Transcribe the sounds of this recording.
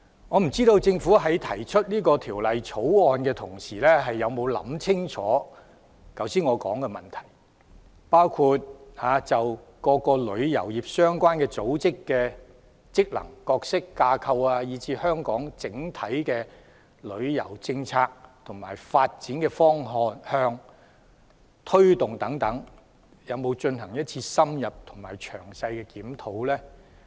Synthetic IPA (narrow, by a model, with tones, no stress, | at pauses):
ŋɔː˨˧m̩˨˩t͡siː˥t̪o˧wt͡sɪ˧ŋfu˨˥ɦɐ˨˥jt̪ʰɐ˨˩jt͡ʃʰɵ˥t̚nliː˥kɔː˧t̪ʰiː˨˩wlɐ˨jt͡sʰo˨˥wɔː˨˧nkɛː˧t̪ʰʊ˨˩ŋsiː˨˩lɛː˥ɦɐ˨jːɐ˨˧wmo˨˧wlɐ̰˨˥mt͡sʰɪ˥ŋt͡sʰɔ̰ː˨˥ | kɐ˨˥wsiː˥nŋɔː˨˧kɔ̰ː˨˥ŋkɛ˧mɐ˨˩nt̪ʰɐ̥˨˩j | paː˥wkʰuː˧t̚haː˨˦t͡sɐ˨w | kɔː˧kɔː˧lɵ˨˧ɥjɐ̰˨˩wjiː˨p̚sœː˥ŋkʷaː˥nkɛː˧t͡so˨˥wt͡sɪ˥kːɛː˧ | t͡sɪ˥k̚lɐ̰˨˩ŋkɔː˧ksɪ˥kːaː˧kʰɐ˧waː˧jiː˨˥t͡siː˨˧hœː˥ŋkɔː˨˥ŋt͡sɪ˨˥ŋt̪ʰɐ˨˥jkɛː˧ | lɵ˨˧ɥjɐ̰˨˩wt͡sɪ˧ŋt͡sʰaː˧k̚t̪ʰʊ˨˩ŋma̰ː˨˩jfaː˧t̚t͡siː˨˥nkɛː˧fɔː˥ŋɦɔː˨˧nhœː˧ŋ | t̪ʰɵ˥ɥt̪ʊ˨ŋt̪ɐ˨˥ŋt̪ɐ˨˥ŋ | jɐ˨˧wmo˨˧wt͡ʃɵ˧nhɐ˨˩ŋjɐ˥t̚t͡sʰiː˧sɐ˥mjɐ˨p̚t̪ʰʊ˨˩ŋmaː˨˩jt͡ʃʰœː˨˩ŋsɐ˧jkɛː˧kiː˨˥mt̪ʰo˨˥wlɛː˥